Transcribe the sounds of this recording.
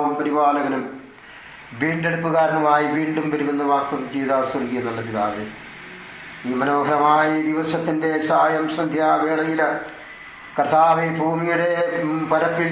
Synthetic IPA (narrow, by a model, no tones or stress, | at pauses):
ʋɐmpɐɾibaːlɐɣɐnum | ʋiːɳɖe̞ɽupːuɣaːɾɐɳɐmaːjiʋiːɳɖumʋɐɾumenːɐʋaːkt̪ɐðt͡ɕejðaːsɐrɡijenːɐɭːɐpiðaːʋe | iːmɐno̞ːɡʱɐɾɐmaːjɐd̪iʋɐsɐt̪ːinde̞saːjɐmsɐnd̪ʱjaːʋeːɭɐjilɐ | kɐrt̪aːʋebʱuːmijuɽe̞pɐɾɐpːil